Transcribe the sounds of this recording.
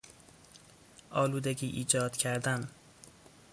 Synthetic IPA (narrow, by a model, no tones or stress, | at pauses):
ʔɒːluːd̪eɟiːʔiːd͡ʒɒːd̪̥cʰæɾd̪æn